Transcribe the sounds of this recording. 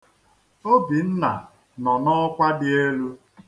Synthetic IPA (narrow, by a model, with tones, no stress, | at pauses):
o˦bi˨n̩˦na˨ | nɔ˨nɔ˦kʷa˦dɪ˦e˦lu˦